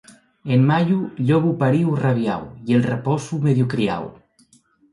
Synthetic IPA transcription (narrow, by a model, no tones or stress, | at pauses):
enmaʎuʎɔβupaɾiwraβ̞ja̰wjielˠrepɔsumeðjukɾia̰w